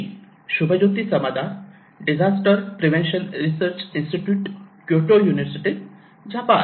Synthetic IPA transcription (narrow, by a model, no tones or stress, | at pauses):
ɕubʱəd͡ʑot̪isəmad̪ʱa | ɖid͡ʑasʈəɾpɾiʋẽnʃəlɾisəɾt͡ɕinsʈiʈjuːʈkjoʈojuːniʋəɾsiʈi | d͡ʑapa